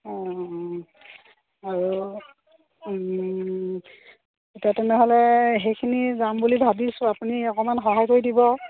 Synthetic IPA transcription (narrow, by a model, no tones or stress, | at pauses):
ɔ̃ | aɹu | etiatɛnɛɦɔlɛxejkʰinizambulibʱabisʊapuniɔkɔmanxɔɦajkoɹidibɔ